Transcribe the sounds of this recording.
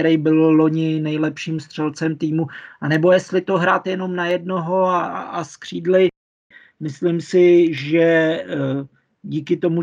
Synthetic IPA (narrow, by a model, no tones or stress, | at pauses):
ɾɛjbɪllo̞ɲɪnɛjlɛpʃiːmst̪r̝̥ɛlt͡sɛmt̪iːmuanɛbo̞jɛst̪lɪt̪o̞ɦɾaːt̪jɛno̞mnajɛd̚no̞ɦo̞aaskr̝̥iːdlɪ | mɪslɪmsɪʒɛ | ɟiːkɪt̪o̞mu